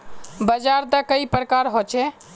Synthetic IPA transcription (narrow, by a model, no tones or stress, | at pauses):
bəd͡ʒaɾt̪əkəipɾəkaɾɦot͡ʃʰɛ